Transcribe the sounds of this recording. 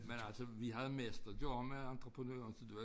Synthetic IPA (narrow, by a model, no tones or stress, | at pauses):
menælsəʋiɦæð̞̩ˠmesd̥ɐdo̰meɑnd̥ʁəpʰʁənø̰ːɐnsɒd̥eʋæ